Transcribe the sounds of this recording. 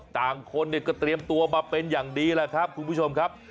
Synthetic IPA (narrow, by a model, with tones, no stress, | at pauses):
t̪aː˨˩ŋkʰo˧nːi˥˩əkɔː˥˩t̪ɾi˧əmt̪u˧ɐmaː˧pe˧njaː˨˩ŋdiː˧laː˧kʰa˦˥p̚kʰu˧nbʰu˥˩t͡ɕʰo˧mkʰa˦˥p̚